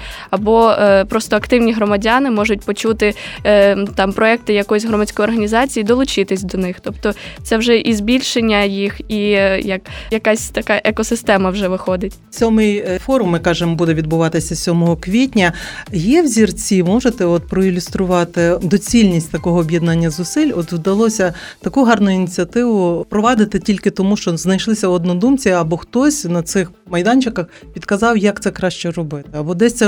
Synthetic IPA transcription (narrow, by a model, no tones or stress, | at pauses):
ɐbɔpɾɔst̪ɔɐkt̪ɪwnʲiɦɾɔmɐdʲɑnɪmɔʒʊtʲpɔt͡ʃut̪ɪ | t̪ɑmpɾɔɛk̚t̪ɪjɐkɔjsʲɦrɔmɐt͡sʲkɔjɔrɦɐnʲizɑt͡sʲijid̪ɔlˠʊt͡ʃɪt̪ɪsʲd̪ɔnɪxt̪ɔpt̪ɔt̪sɛwʒɛʔizbʲilʲʃenʲːɐjixijɐkjɐkasʲt̪ɐkɑʔɛkɔsɪst̪ɛmɐwʒɛʋɪxɔd̪ɪtʲsʲɔmɪjfɔɾʊmːɪkɑʒemɔbud̪ɛʋʲid̪bʊʋɑt̪ɪsʲɐsʲɔmɔɦɔkʋʲitʲnʲɐjɛwzʲirt͡sʲimɔʒet̪ɛɔt̪̚pɾɔilʲʊst̪ɾʊʋɑt̪ɪd̪ɔt͡sʲilʲnʲisʲtʲt̪ɐkɔɦɔːbʲjɛd̪nɑnʲːɐzʊsɪlʲɔt̪wd̪ɐlˠɔsʲɐ | t̪ɐkuɦɑrnʊjʊinʲit͡sʲiɐt̪ɪʋʊpɾɔʋɑd̪ɪt̪ɪtʲilʲkɪt̪ɔmuʃt͡ʃɔznɐjʃlˠɪsʲɐɔd̪nɔd̪umt͡sʲiɐbɔxt̪ɔsʲnɐt̪sɪx | mɐjd̪ɑnʲt͡ʃɪkɐx | pʲid̪kɐzɑwjɐkt̪sɛkɾɑʃt͡ʃɛɾɔbɪt̪ɪɐbɔd̪ɛsʲt̪t͡s̪ʲɛ